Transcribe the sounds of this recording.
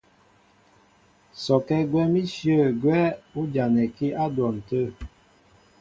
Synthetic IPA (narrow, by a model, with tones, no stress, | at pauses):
sɔ˨kɛ˦ɡwɛ˦mi˦sjə˦˨ɡwɛ˦u˦d͡ʒa˨nɛ˨ki˦ʔa˦dwɔ˨n̩˨tə˦˨